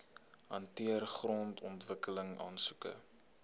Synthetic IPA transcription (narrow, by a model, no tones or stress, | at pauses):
hɐntiərχrɔntʰɔntvəkələŋɑ̰ːnsukə̰